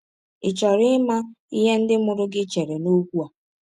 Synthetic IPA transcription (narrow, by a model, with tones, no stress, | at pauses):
ɪ˨t͡ʃɔ˨ɾɪ˦ma˦ | i˦ɦe˦n̩˦dɪ˦mʊ˦ɾʊ˦ɡɪ˦t͡ʃe˨ɾe˨no˦kʷu˦a˨